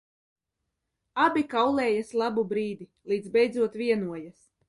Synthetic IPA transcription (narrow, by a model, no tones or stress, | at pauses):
abʲikawlˠɛːjaslˠabubɾiːd̪ilˠiːd̪zbʲɛjd̪zuɔt̪viɛnuɔjas